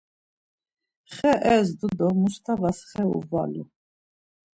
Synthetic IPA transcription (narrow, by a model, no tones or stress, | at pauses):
χɛʔɛsd̪ud̪ɔmust̪ʰavasχɛṵva̰lṵ